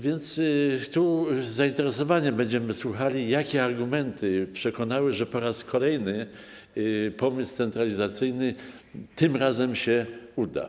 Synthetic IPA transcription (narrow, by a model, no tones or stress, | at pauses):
vʲjɛnt̪st̪uzaint̪ɛɾɛsɔvaɲɛbɛɲd͡ʑɛmɘswuxalʲijakʲɛaɾɡumɛnt̪ʰɘpʂɛkɔnawɘʐɛpɔɾaskʰɔlɛjnɘ | pɔmɘst̪sɛnt̪ɾalʲizat̪sɘjnɘt̪ɘmɾazɛmɕɛud̪a̰